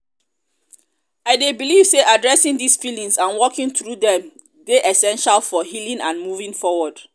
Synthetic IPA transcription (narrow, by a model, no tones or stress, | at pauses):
aɪdebiliv̥seʔadɹɛsĩŋdisfilĩŋsãnwɔkĩŋtɹudɛ̃m | deʔɛsɛ̃nʃalfɔɦilĩŋãnmuvĩŋfɔwɔd̥